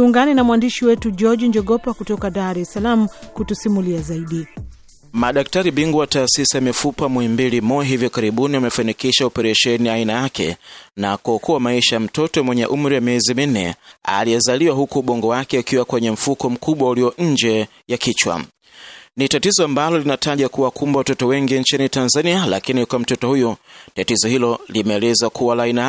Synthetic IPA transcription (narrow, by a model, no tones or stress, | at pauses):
uŋɡanɛnamwandiʃiwɛtud͡ʒɔd͡ʒɲd͡ʒɔɠɔpakutɔkaðaɾɛsalam̩kutusimuliazaiɗi | maɗak̚taɾiɓiŋɡuwataːsisijamifupamwɔɛmbilimɔaɦivjɔkaɾiɓuniamɛfanikiʃaɔpɛɾɛʃɛniainajakɛ̰nakuɔkʰuwamaiʃajam̩tɔtɔmwɛɲɛʔum̩ɾiwamiɛzimin̩nɛ̰a̰lijɛzaliwaɦukuːɓɔŋɡɔwakɛakiwakwɛɲɛm̩fukɔm̩kʰuɓwauliɔʔɲ̩d͡ʒɛ | jakit͡ʃwa̰ | nitatizɔambalɔlinataʄakuwakumbawatɔtɔwɛŋɡiɲt͡ʃinitanzaniala̰kinikwam̩tɔtɔhujɔtatizɔhilɔlimɛɛːlɛzakʰuwalaina